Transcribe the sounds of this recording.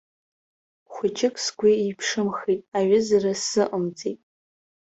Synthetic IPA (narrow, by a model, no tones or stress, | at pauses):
χʷʊt͡ʃʰɪkʰʼsɡʷiipʰʂɨmχitʼaɥɪzarasɨʔəmt͡sʼetʼ